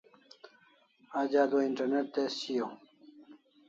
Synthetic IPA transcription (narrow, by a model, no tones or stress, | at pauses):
ad͡ʑaːd̪oiɳʈɐɾneʈ̚t̪esɕijo